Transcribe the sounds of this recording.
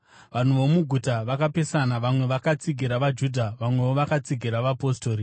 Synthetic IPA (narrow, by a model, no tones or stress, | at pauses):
ʋan̤uʋo̞muɡʱutaʋakape̞sanaʋamwe̞ʋakat͡siɡʱiɾaʋad͡ʒudʱaʋamwe̞ʋoʋakat͡siɡʱiɾaʋapo̞sto̞ːɾi